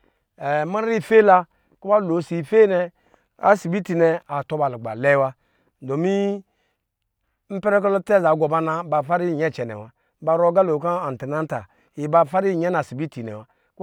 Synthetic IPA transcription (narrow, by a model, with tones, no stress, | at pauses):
e˨ma˦i˦˨fe˦la˧ | ku˦ba˦lo˨˦˨si˨fe˦nɛ˧ | a̰˨si˨bi˦ti˨nɛ˨a˨to˧ba˨lu˨ɡ͡ba̰˨lɛ˦wa˦˨ | do˨mi˦ | m̩˦pɛ˦ɾɛ˦k̬ɔ˦lɔ˦tɛ˦˨za˨˦ɡo˨ba˦na˧ba˨fa˦ɾi˦˨ɲɛ˦˨t͡ʃɛ˨nɛ̰˨wa˨˦ | ba˧ɾo˦ɡa˦lo˨ka˦a˨n˨ti˨na˦n˦ta̰˨ | i˨ba˧fa˦ɾi˦˨ɲɛ˦na˨si˨bi˦ti˨nɛ̰˨wa˨ | k